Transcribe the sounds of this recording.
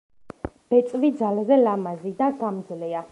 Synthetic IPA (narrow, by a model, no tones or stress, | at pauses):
b̥ɛt̪sʼvid̪zalazɛlamazid̪aɡamd̪zlia